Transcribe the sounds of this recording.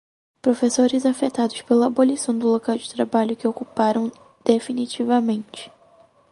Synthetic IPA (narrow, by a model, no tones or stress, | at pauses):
pɾofesoɾɪzafet̪ad̪ʊspelɐːbolisɐ̃w̃d̪ʊlokawd͡ʒɪt̪ɾabaʎʊkɪokupaɾɐ̃w̃ | d̪̥efinit͡ʃivɐmẽnt͡ʃɪ̥